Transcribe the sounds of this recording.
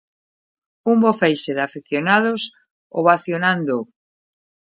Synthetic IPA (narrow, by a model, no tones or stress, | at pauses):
umbofejseðafiθjonaðos | oβaθjonãnd̪o